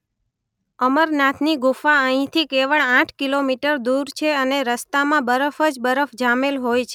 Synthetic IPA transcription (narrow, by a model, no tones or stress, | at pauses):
əməɾnat̪ʰniɡufaəɦĩt̪ʰikeʋəɭãʈʰkilomiʈəɾd̪uɾt͡ʃʰeəneɾəst̪amãbəɾəfəd͡ʒbəɾəfd͡ʒamelɦojt͡ʃʰe